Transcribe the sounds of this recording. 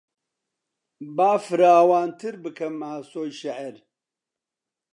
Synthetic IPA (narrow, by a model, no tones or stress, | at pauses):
baːfɨɾaːwaːnt̪ʰɨɾbɨkʰɐmaːsoːjʃɐʕɛɾ